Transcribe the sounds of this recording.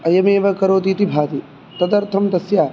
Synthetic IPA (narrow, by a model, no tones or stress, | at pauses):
ɐjɐmeːʋɐkɐɾoːt̪iːt̪ibʱaːt̪i | t̪ɐd̪ɐɾt̪ʰɐmt̪ɐsjaː